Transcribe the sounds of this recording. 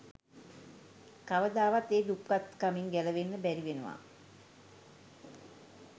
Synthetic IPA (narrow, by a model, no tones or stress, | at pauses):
kaʋəd̪aːʋat̪eːd̪up̚kat̪kamiŋɡæləʋenːəbæɾiʋenəʋa̰